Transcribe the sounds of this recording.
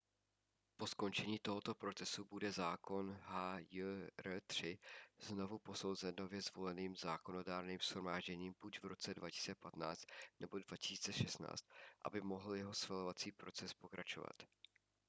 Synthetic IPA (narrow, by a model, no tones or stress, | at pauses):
po̞sko̞nt͡ʃɛɲiːt̪o̞ɦo̞t̪o̞pɾo̞t͡sɛsubudɛzaːko̞nɦajrt̪r̝̥ɪzno̞vupo̞so̞wzɛno̞vjɛzvo̞lɛniːmzaːko̞no̞daːɾniːmsxɾomaːʒɟɛɲiːmb̥ucvɾo̞t͡sɛdvacɪ̥si̥t͡sɛpat̪na̰ːt͡st̪nɛbo̞dvacɪ̥siːt͡sɛʃɛsna̰ːt͡st̪̚ʔa̰bɪmo̞ɦl̩jɛɦo̞sfɛlovat͡siːpɾo̞t͡sɛspo̞kɾat͡ʃo̞va̰t̪